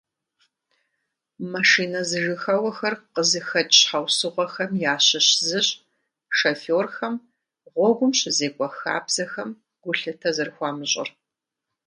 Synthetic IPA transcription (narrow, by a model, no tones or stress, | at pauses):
maʂiːnɐzɨʒɨxɐwɐxɐrqəzɨxɐtʼħɐwsɨʁʷɔxɐmjaːɕɪɕzɨɕʼ | ʂɐfoːrxɐm | ʁʷɔɡʷʊmɕɪzeːkʷʼɔxa̰ːbz̥ɐxɐm | ɡ̥ʷʊɬɨtʰɐzɨrxʷɑːmɨɕʼɪ̰r